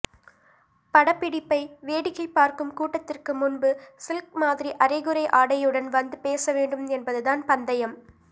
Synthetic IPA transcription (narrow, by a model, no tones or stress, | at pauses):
pɐɽɐpːɪɽɪpːɐɪʋeːɽɪɣɐɪpːaːɾkɯmkuːʈːɐt̪ːɪrkɯmʊnbɯsɪlk̚maːðɪɾiʔɐɾɐɪɣɯɾɐɪʔaːɽɐjɯɽɐnʋɐnd̪ɯpeːsɐʋeːɳɖɯmɛnbɐðɯðaːnpɐnd̪ɐjɐm